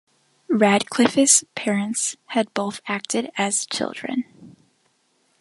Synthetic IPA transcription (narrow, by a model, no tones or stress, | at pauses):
ɹæd̚kʰl̥ɪfɨspʰɛɹɨ̃ntshɨd̚boʊθæk̚tʰɨɾɨz̥t͡ʃʰɪ̰lˠdɹɨ̰̃n